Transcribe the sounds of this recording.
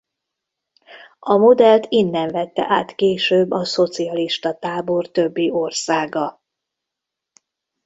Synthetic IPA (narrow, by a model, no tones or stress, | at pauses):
ɒmo̞d̪ɛlt̪inːɛɱvɛt̪ːɛ̰ʔaːt̪keːʃøːbːɒso̞t̪siɒliʃt̪ɒt̪aːbo̞rt̪ø̞bːiʔo̞rsaːɡɒ